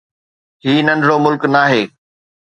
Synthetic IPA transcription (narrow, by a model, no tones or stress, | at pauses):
ɦiːnɐ̃nɖɽomʊlknaːɦeː